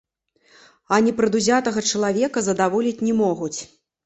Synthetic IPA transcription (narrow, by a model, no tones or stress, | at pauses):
ɐnʲɛpɾɐd̪uzʲat̪ɐɣɐt͡ʂɐlˠavʲɛkɐzɐd̪avɔlʲit͡sʲnʲɛmɔɣut͡sʲ